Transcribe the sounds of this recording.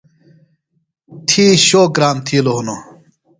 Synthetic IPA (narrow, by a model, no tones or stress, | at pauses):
t̪ʰiːɕoːk̚ɡɾaːmt̪ʰiːloɦuno